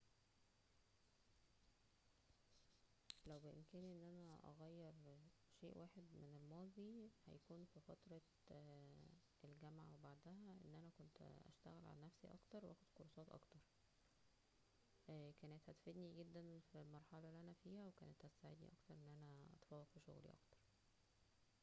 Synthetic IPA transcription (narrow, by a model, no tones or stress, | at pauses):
læwbeʔḛmkæːniʔenːʔænæʔɑ̰ɣæjːeɾˤ | ʃeːʔwʔaːħed̪menelmɑːd̪ˤihæ̰jækuːnfifɑt̪ɾˤɑ | ʔelɡæmʕawebaʕd̪æhæʔenːʔænækont̪ʔæ̰ʃt̪æ̰ɣelʕa̰lænæfsiʔɑ̰kt̪ɑɾˤwʔæ̰xed̪qoɾˤɑsˤɑːt̪ˤʔɑ̰kt̪ɑɾˤ | kæːnæt̪hæt̪fed̪niɡed̪ːænfilmɑɾˤħɑlɑliʔænæfiːhæwekæ̰ːnet̪hæsaʕed̪nḭʔɑ̰kt̪ɑɾˤʔenːʔænæʔɑ̰t̪fɑwːɑqfiʃo̰ɣlḭʔɑ̰kt̪ɑ̥ɾˤ